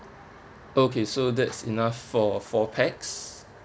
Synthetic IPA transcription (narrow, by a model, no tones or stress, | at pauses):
okʰesodɛtsḭnafːɔfɔpʰɛks